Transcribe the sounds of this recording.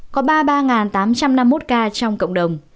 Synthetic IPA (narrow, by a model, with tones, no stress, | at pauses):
kɔ˨˦ɓaː˧ɓaː˧ŋaː˨˩nt̪aː˨˦mt͡ɕa˧mna˧mːo˦˥t̚kaː˧t͡ɕɔ˧wŋ͡mkə̰˧˨wŋ͡mɗə˨˩wŋ͡m